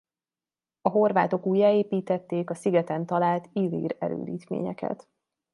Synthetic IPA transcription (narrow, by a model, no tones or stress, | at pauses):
ɒɦo̞rvaːt̪o̞kuːjaːeːpiːt̪ɛt̪ːeːkɒsiɡɛt̪ɛnt̪ɒlaːlt̪ilːḭːɾɛɾø̰ːd̪iːt̪mḛːɲɛkɛ̰t̪